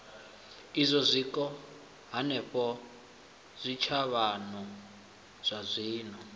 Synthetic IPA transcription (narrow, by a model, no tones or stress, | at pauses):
izʷɔzʷikɔ | ɦanɛɸɔ | z̥ʷit͡ʃʰaβanɔ | z̥ʷazʷiːnɔ